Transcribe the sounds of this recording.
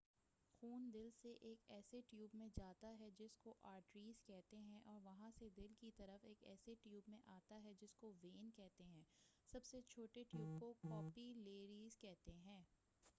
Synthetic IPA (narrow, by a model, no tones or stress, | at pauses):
xuːnd̪ɪlseʔeːkɛːseʈjuːbmẽd͡ʒaːt̪aɦɛd͡ʒɪskoʔaːɾʈɾiːz̥kɛɦt̪eɦɛ̃ʔɔːɾʋɐɦãsed̪ɪlkit̪ɐɾəfeːkɛ̰ːseʈjuːbmẽʔaːt̪aɦɛd͡ʒɪskoʋeːnkɛɦt̪eɦɛ̃ːsɐbset͡ʃʰoːʈeʈjuːb̚kokɔːpileːɾiːzkɛɦt̪eɦɛ̃ː